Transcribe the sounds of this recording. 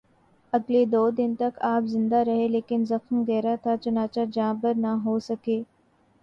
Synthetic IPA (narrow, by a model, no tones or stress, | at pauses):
ɐɡled̪oːd̪ɪnt̪ɐkaːpzɪ̃nd̪aɾɐɦeleːkɪnzɐxmɡɛːɾat̪ʰat͡ʃɐnaːt͡ʃad͡ʒãːbəɾnaɦoːsɐkeː